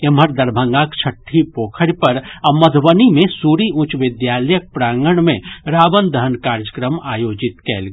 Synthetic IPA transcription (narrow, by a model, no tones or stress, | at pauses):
ɐmɦəɾd̪ɐɾbʱə̃ŋɡaːkt͡ʃʰəʈʰːipoːkʰəɽpɐɾɐməd̪ʱʋənimẽsuːɾiʊ̃t͡ʃʋɪd̪jaːləjək̚pɾaːŋɡəɳmẽɾaːʋənd̪ɐɦnkaːɾjəkɾəmaːjoːd͡ʒɪt̪kɛ̰ːlɡ